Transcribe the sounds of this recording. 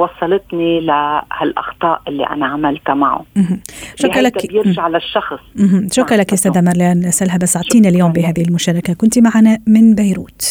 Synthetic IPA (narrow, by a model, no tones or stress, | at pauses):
wɑsˤːɑlɪt̪nilahalʔɑ̰xt̪ˤɑːʔʔɪlːḭʔa̰naʕamalt̪maʕṵɦʃʊkɾlakbjɪɾʒaʕlaʃːɑxs̩ˤɦ̩ʃʊkɾˤɑlakʔʊst̪aːðamɑɾˤlaːnʔasʔalɦabasoʕt̪ˤiːnaljoːmbiɦaːðɪhɪlmʊʃaːɾˤɑkakʊnt̪imaʕanamɪnbajɾuːt̪